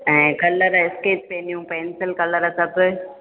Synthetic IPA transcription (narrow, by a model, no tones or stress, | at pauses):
ɛ̃ːkɐlːəɾaɪskeːʈ̚peːnijũpeːnsɪlkɐləɾasɐb